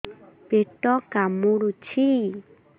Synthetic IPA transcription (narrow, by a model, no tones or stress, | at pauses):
peʈɔkamuɽut͡ʃʰi